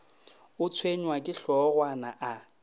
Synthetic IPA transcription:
ʊt͡sʰweɲwakʼɪɬɔɣwanaʔa

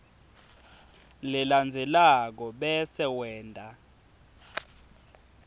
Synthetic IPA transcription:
liland͡zʱɛlak̬ɔɓɛsɛwɛːndʱʼa

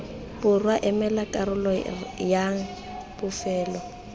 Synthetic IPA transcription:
bʊrwaʔɛmɛlakʼaɾʊlɔjaŋ̩ | pʊfɛːlɔ

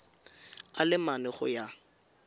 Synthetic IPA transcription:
alɪmanɛχʊ̰ja

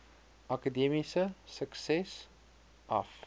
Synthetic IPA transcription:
ɐkədiəmisəsəksɛs | ʔɐ̰f

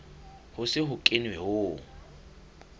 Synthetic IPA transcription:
hʊsɪɦʊkʼɪnwɛhʊː

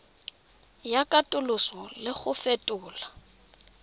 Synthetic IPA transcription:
jakʼatʼʊlʊsɔlɪχʊfetʼʊːla

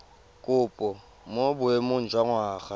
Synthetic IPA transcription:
kʼʊːpʼɔ | mobʊemʊn̩d͡ʒʼwaŋwaːχa

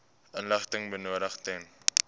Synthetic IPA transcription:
ənləχtəŋbənuəɾəχtɛn

